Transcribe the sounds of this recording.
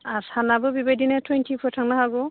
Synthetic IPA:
asanabɯbibadinatʰwentʰipʰɔtʰaŋnaɦaɡɔ

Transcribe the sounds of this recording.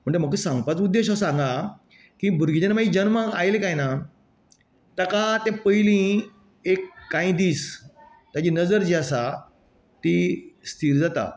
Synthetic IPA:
m̤əɳd͡ʑem̤əkusãŋɡpat͡sud̪ːeɕəsãŋɡa | kibʱuɾɡid͡ʑənmaid͡ʑənmaajlekajna | t̪akat̪ɛ̃pəjlĩ | ekːãĩd̪iːs | t̪jat͡ɕinəd͡zəɾd͡ʑiasa | t̪ist̪ʰiːɾd͡zat̪a̰

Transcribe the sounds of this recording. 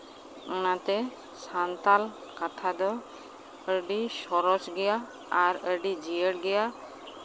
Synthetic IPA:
ɔnat̪ɛ | sant̪al | kat̪ʰad̪ɔ | əɖisɔɾɔt͡ʃɡɛjaː | ɾəɖid͡ʒijəɽɡɛja

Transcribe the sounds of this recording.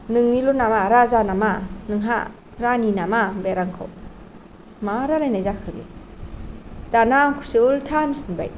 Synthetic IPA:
nɯŋnilɔnamaɾazanamanɯŋɦa̰ | ɾaninamabeɾaŋkʰɯ̰w | maɾalajnajzakʰɯɡḭ | d̥anamkʰusɯɯltʰamisɯnba̰j

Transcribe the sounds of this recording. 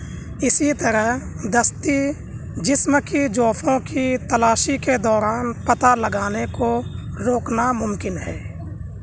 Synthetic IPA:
ɪsit̪əɾəɦ | d̪əst̪i | d͡ʒɪsmkid͡ʒoːpʰõkit̪əlaːʃiked̪ɔːɾaːnpət̪aləɡaːneko | ɾoːknamʊmkɪnɦɛ̰ː

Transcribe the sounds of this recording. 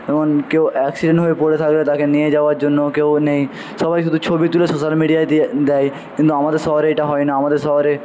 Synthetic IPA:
eboŋkewɛksiɖẽɳʈɦoepoɽet̪ʰaklet̪akenied͡ʑaoaɾd͡ʑonːokewneĩ | ʃɔbajʃ̬ud̪ʱut͡ɕʰobit̪ulesoʃalmiɖijad̪ɛj | kint̪uamad̪eɾsɔɦɾeeʈaɦɔenaamad̪eɾsɔɦɾe

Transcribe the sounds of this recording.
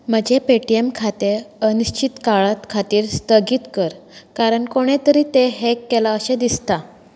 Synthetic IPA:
m̤əd͡ʑepeʈiemkʰat̪eəniɕt͡ɕʰit̪kaɭat̪kʰat̪iːɾst̪əɡiːt̪kəɾkaɾəɳkoɽ̃et̪əɾiːt̪eɦekːelaəɕed̪ist̪a

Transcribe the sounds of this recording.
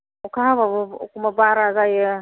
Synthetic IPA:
ukahabab̰kʊmabaːɾaːzaje

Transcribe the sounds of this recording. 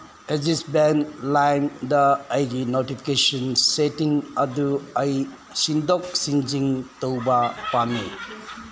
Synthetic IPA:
ezisbenlajmdɐːjɡinotipʰi̥kesɔnsetiŋɐduɐj | sindɔk̚sind͡ʒiŋtowbɐpamːi

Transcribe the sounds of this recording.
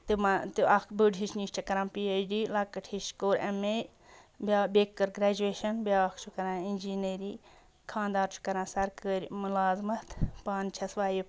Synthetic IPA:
t̪ɨmat̪ɨakbuɖɦiʃniːsʈɐkɐɾãːmpiːejɖiːlɐkːɐʈʰhiʃkoːɾḛme | bʲabeːkːɐɾɡɾaːd͡ʒueːʃɐnbʲaːɐkʰt͡ʃʰukɐɾãːind͡ʒiːneɾi | kʰãːnd̪aːɾt͡ʃʰu̥kɐɾãːsɐɾkɐɾʲmʊlaːzmɐt̪paːnt͡ʃʰɐsʋaːji

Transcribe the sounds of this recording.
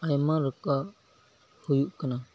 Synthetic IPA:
ajmãɾəka | hujuʔkəna

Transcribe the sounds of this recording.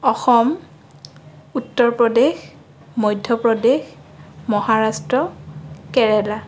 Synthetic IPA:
ɔxɔm | utːɔɹpɹɔdex | mɔjdʱjɔpɹɔdexmɔhaɹastɹɔkɛɹɛla

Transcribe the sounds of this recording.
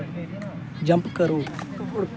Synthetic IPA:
d͡ʒɐ̃mpkəɾuː

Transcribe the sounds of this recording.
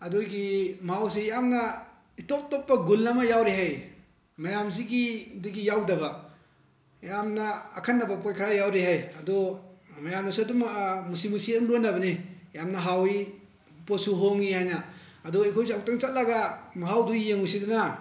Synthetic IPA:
ɐduɡimaɦawsijamnɐ | itop̚topːɐɡulːɐmɐjawɾiɦaj | mɐjamziɡidiɡijawdɐba | jamnɐːkʰanːɐbɐpojkʰaɾajawɾiɦajɐdɔmɐjamnasuɐdummusimusiɐmɾonːɐbɐnijamnɐɦawi | posuɦoŋihajnɐːdɔekʰojsiaw̚taŋt͡ʃat̚lɐɡamaɦawduijeŋujsiduna

